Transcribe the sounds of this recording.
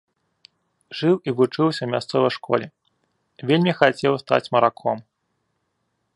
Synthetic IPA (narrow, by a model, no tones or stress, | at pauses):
ʐɨwivut͡ʂɨwsʲɐwmʲast̪sɔvɐjʂkɔ̰lʲɛ | vʲelʲmʲixat͡sʲɛwst̪a̰t͡sʲmɐɾakʰɔm